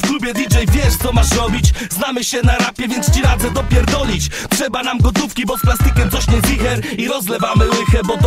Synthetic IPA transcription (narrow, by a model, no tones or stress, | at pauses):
vɡɾubʲjɛd̪ʲit͡ʂɛjvʲjɛʂt̪ɔmaʂɾɔbʲit͡ɕznamɘɕɛnaɾapʲjɛvʲjɛnt̪st͡ɕiɾad̪zɛd̪ɔpʲjɛɾd̪ɔlʲit͡ɕ | tʂɛbanamɡɔt̪ufkʲibɔsplast̪ikʲɛmt̪sɔɕɲɛvʲixɛɾiɾɔzlɛvamɘwɪxɛbɔt̪